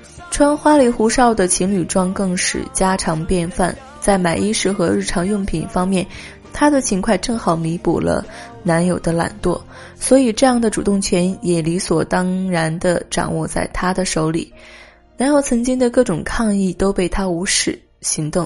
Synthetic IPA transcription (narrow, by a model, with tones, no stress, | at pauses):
ʈ͡ʂʰwə˥ŋxwa˥li˧˥xu˧˥ʂɑ˥˩ʊd̪ə˨t͡ɕʰi˧˥ŋly˨˩ʈ͡ʂwɑ˥ŋkɤ˥˩ŋʂɻ̩̰˨˩t͡ɕja˥ʈ͡ʂʰɑ˧˥ŋpjɛ˥˧nfa˥˩n | t͡sa˥˩ɪma˨˩ɪʔi˥ʂɻ̩˥˩xɤ˧˥ɻ̩˥˩ʈ͡ʂʰɑ˧˥ŋjʊ˥˩ŋpʰḭ˨˩ŋfɑ˥ŋmjɛ˥˩n | t̪ʰa˥d̪ə˨t͡ɕʰi˧˥ŋkʰwa˥˧ɪʈ͡ʂɤ˥˩ŋxɑ˨˩ʊmi˧˥pṵ˨˩lə̰˦ | na˧˥njo˨˩ʊd̪ə˦la̰˨˩nt̪wɔ̰˥˩ | swɔ˧˥i˨˩ʈ͡ʂɤ˥˧jɑ˥˩ŋd̪ə˩ʈ͡ʂu˨˩t̪ʊ˥˩ŋt͡ɕʰɥɛ˧˥njɛ˨˩li˧˥swɔ˨˩t̪ɑ˥ŋɻa˧˥nd̪ə˧ʈ͡ʂɑ̰˨˩ŋwɔ˥˧t͡sa˥˩ɪt̪ʰa˥d̪ə˨ʂo˧˥ʊlḭ˨˩˦ | na˧˥njo˧˥ʊt͡sʰɤ˧˥ŋt͡ɕi˥ŋd̪ə˧kɤ˥˩ʈ͡ʂʊ˨˩ŋkʰɑ˥˧ŋi˥˩t̪o˥ʊpe˥˩ɪt̪ʰa˥u˧˥ʂɻ̩˨˩ | ɕi˧˥ŋt̪ʊ˥˩ŋ